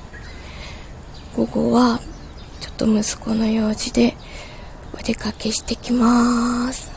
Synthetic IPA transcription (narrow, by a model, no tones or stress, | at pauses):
ɡ̥o̞ɡo̞̰βa | t͡ɕo̞̥t̪ːo̞mɯ̟sɨ̥ko̞nojo̞ːʑid̪e̞ | od̪e̞kake̞ɕi̥t̪e̞kʲimasɨ̥